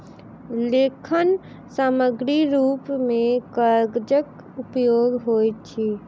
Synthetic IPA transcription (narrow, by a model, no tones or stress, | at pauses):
lekʰən | saməɡɾiɾupmẽkəɾɡd͡ʒək | upjoɡɦojt͡ʃʰi